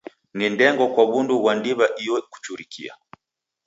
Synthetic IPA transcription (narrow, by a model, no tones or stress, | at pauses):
nindɛŋɡɔkwaβunduβwandiβaʔijɔku̥t͡ʃuɾikʰḭa̰